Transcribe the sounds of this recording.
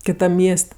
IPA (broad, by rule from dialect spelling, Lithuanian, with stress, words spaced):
kʲɪˈtɐm ˈmʲiɛsʲtʲ